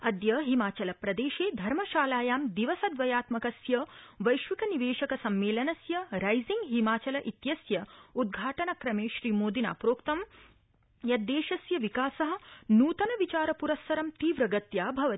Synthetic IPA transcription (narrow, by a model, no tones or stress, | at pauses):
ɐd̪jɐɦimaːt͡ʃɐlɐpɾɐd̪eːʃeːd̪ʱɐɾmɐʃaːlaːjaːmd̪iʋɐsɐd̪ʋɐjaːt̪mɐkɐsjɐʋɐjʃʋikɐniʋeːʃɐkɐsɐmːeːlɐnɐsjɐɾɐjziŋɡɦimaːt͡ʃɐlɐʔit̪jɐsjɐud̪̚ɡʱaːʈɐnɐkɾɐmeːʃɾiːmoːd̪ina̰ːpɾoːkt̪ɐm | jɐd̪eːʃɐsjɐʋikaːsɐɦɐ̆nuːt̪ɐnɐʋit͡ʃaːɾɐpuɾɐstɐɾɐmt̪iːʋɾɐɡɐt̪jaːbʱɐʋɐ